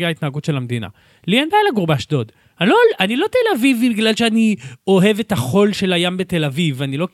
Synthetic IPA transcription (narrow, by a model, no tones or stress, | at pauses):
ait̪naːɡutʃelamd̪ina̰ | lienbajlaɡuʁbaʃdo̞d̪ | aloanilo̞t̪elavivibiɡlalʃeanio̞ɦe̞vet̪aχo̞lʃe̞lajambet̪e̞lavivanilo̞